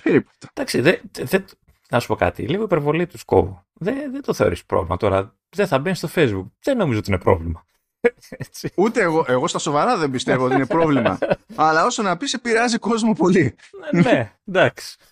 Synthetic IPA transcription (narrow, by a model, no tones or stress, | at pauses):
peɾipo̥t̪ɐ̥d̪ɐksiðeðe | nɐsu̥po̞kɐ̰t̪ḭliɣoipeɾvo̞lit̪usko̞̰vo | ðeðed̪oθe̞o̞ɾispɾo̰vlimɐ̰t̪o̞ɾɐ | ðeθɐbenst̪o̞fejzbuk̚ðeno̞mizoot̪inepɾo̞̰vlimɐ | et͡siut̪e̞ːɣo̞ʔe̞ɣo̞st̪ɐso̞vɐɾɐðembist̪evoot̪inepɾo̞vlimɐ̰ɐlɐo̞sonɐpisepiɾɐziko̞zmo̞po̞li | ne | d̪ɐksi̥